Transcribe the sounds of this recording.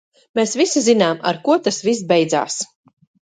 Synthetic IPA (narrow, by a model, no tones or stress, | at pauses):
meːsvisizinaːma̰ɾkuɔt̪asvis̬bɛjd̪za̰ːs